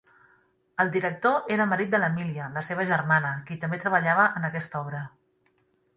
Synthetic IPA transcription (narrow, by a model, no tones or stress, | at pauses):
əlˠd̪iɾək̚t̪oʔeɾəməɾit̪̚d̪ələmiliələseβ̞əʒərmanəkit̪əmbet̪ɾəβəʎaβəʔənəkɛst̪ɔβɾə